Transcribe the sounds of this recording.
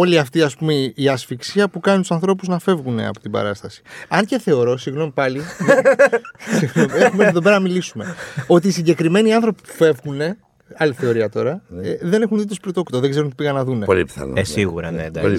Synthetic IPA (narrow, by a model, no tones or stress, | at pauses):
o̞liɐft̪iɐspumeiɐsfiksiɐpukɐnint̪u̥sɐ̃nθɾo̞puznɐfe̞vɣune̞̰ɐ̰po̞t̪ibɐ̰ɾɐst̪ɐsi̥ɐɲce̞θe̞o̞ɾo̞siɣno̞mipɐli | siɣnomiexumevðoe̞ɾɐnɐmilisume̞o̞t̪̬iːsiɲɟe̞kɾime̞niɐnθɾo̞pi̥pu̥fe̞vɣune̞ | ɐliθe̞o̞ɾiɐt̪o̞ɾɐeðe̞ne̞xunðit̪ospɾot̪o̞kt̪oðeɡze̞ɾunot̪ipiɣɐnːɐðune̞o̰lḭpθɐ̰n̰esiɣṵɾɐ̰ned̪ɐ̰